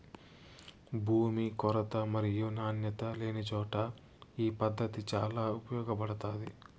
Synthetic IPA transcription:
bʱuːmikɔɾɐt̪ɐmɐɾijunaːnjɐt̪ɐleːnit͡ʃɔːʈɐ | iːpɐd̪ʱːɐt̪it͡ʃaːlaːupɐjɔːɡɐpɐɽɐt̪aːd̪i

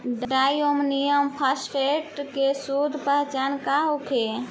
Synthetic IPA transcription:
ɖɖajomnijəmpʰaspʰeʈkesud̪ʱpəɦt͡ʃankaɦokʰe

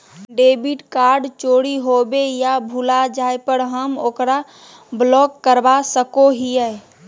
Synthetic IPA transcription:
ɖebiʈkaɾɖt͡ʃoɽiɦobejabʱulad͡ʒaepəɽɦəmoːkɾa | blɔkːəɾbasəkoɦiɛe

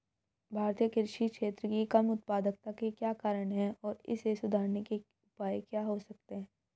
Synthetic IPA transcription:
bʱaːɾt̪ijəkɪɾʃikʃeːt̪ɾəkikɐmʊt̪̚paːd̪ək̚t̪akekjaːkaːɾəɽ̃ɦɛɔːɾɪ̰sesʊd̪ʱaːɾneke | ʊpaːjkjaːɦosɐk̚t̪eɦɛ̃ː

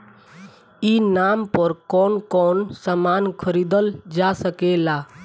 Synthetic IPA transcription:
inaːmpəɾkɔːnkɔːnsamaːnkʰəɾiːd̪əld͡ʒasəkelaː

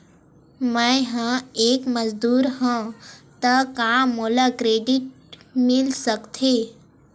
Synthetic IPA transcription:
mə̃ɦãeːkməzd̪uːɾɦãt̪əkãmoːlakɾeːɖɪʈ̚ | mɪlsəkt̪ʰe

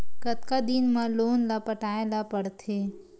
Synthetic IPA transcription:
kɐt̪̚kad̪inmãloːnlapəʈaːelapəɽt̪ʰeː

